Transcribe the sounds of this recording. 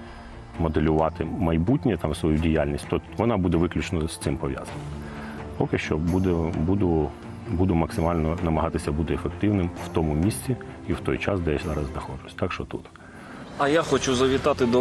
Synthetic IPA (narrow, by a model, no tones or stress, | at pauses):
mɔd̪elʲʊʋɑt̪ɪmɐjbutʲnʲit̪ɑmsʋɔjudʲijalʲnʲisʲt̪ɔʋɔnɑbud̪ɛʋɪklʲut͡ʃnɔst̪ɪmpɔʋʲja̰zɐnʲmpɔkɪʃt͡ʃɔbud̪ɛbud̪ʊ | bud̪ʊmɐksɪmɑlʲnɔnɐmɐɦɑt̪ɪsʲɐbut̪ɪefek̚t̪ɪwnɪmw̥t̪ɔmʊmʲisʲt͡sʲi | iwt̪ɔjt͡ʃɑsd̪ɛjzɑɾɐzd̪ɐxɔʒʊsʲt̪ɑkʃt͡ʃɔt̪ṵt̪ | ɐjaxɔt͡ʃuzɐʋʲit̪ɑt̪ɪd̪ɔ